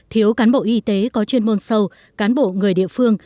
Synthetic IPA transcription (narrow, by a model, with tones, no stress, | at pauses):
t̪ʰi˨˦əwkaː˨˦nɓo̰˧˨ʔi˧t̪e˨˦kɔ˨˦t͡ɕwi˧ənmo˧nsə˧w | kaː˨˦nɓo̰˧˨ŋɨ˨˩əjɗḭ˧˨əfɨ˧əŋ